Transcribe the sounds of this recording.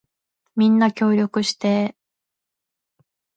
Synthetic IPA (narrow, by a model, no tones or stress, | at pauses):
mʲĩnːakʲo̞ːɾʲo̞kɯ̟ɕi̥t̪e